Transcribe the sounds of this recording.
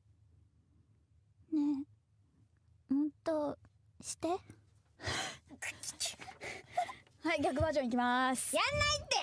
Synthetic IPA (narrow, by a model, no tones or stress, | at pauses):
ne | mõt̪ːo | ɕi̥t̪e | haiɡʲakɯ̟bad͡ʑõɲik̬ʲimasɨ̥janːait̪ːe